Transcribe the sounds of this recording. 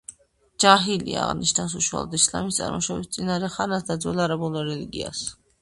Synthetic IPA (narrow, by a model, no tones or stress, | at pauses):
d͡ʒaɦilḭa̰ʁniʃnas̬uʃwa̰lˠɔd̪isla̰mist̪sʼa̰ɾmɔʃɔbist̪sʼinaɾɛχaɾnasd̪ad̪zwɛlˠaɾabɔlɔɾɛliɡia̰s